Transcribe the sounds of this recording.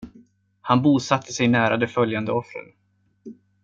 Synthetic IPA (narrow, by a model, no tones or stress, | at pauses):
hanbuːsat̪ʰːəsɛjnæːɾad̪ɛfœljand̪əɔfɾə̰ɾ